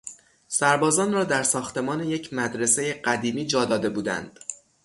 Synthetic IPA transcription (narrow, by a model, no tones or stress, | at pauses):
sæɾbɒːzɒːnrɒːd̪æɾsɒːxt̪ʰe̞mɒːne̞je̞cʰmæd̪ɾe̞se̞jeɢæd̪iːmiːd͡ʒɒːd̪ɒːd̪e̞buːd̪æ̰nd̪̥